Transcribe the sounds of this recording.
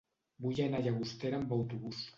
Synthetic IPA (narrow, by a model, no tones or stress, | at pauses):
bujaenaʎaɣust̪eɾambawt̪uβus